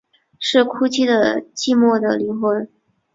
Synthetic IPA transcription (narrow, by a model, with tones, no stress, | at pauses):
ʂɻ̩˥˩kʰu˥t͡ɕʰi˥d̪ə˨t͡ɕi˥˧mwɔ˥˩d̪ə˩li˧˥ŋxwə˧˥n